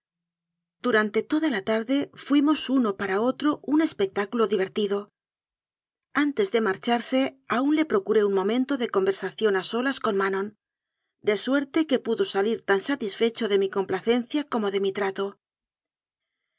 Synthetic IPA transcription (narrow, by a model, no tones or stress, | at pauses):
d̪̥uɾant̪e̞t̪o̞ðalat̪aɾðe̞fwimo̞suno̞paɾao̞t̪ɾo̞ʔune̞spe̞k̚t̪akulo̞ðiβ̞e̞ɾt̪iðo̞ | ant̪e̞zðe̞maɾt͡ʃaɾse̞aunle̞pɾo̞kuɾe̞unmõ̞mẽ̞nt̪o̞ðe̞ko̞mbe̞ɾsaθjo̞naso̞lasko̞nmanõn | d̪e̞swe̞ɾt̪e̞ke̞puðo̞saliɾt̪ansat̪isfe̞t͡ʃo̞ðe̞miko̞mplaθe̞n̟θjako̞mo̞ðe̞mit̪ɾat̪o̞